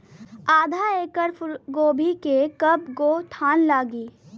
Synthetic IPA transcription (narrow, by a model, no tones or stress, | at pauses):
aːd̪ʱaeːkəɾfʊɾɡoːbʱikekəpɡoːt̪ʰaːnlaːɡiː